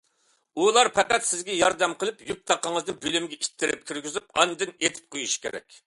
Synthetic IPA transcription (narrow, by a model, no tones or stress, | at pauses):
ulˠɑɾpʰæqæt̪sɪzɡʲɛjɑɾd̪ɛmqʰəlˠypjup̚t̪ʰɑqːəŋəzd̪ɨnbølymɡʲɛʔit̪ʰːɪɾɪp̚kʲʰyɾɡʲyzypɑ̰nːɨd̪ɪnet̪ʰɪ̥p̚qʰojuʃkʲʰḛɾɛ̰kʲ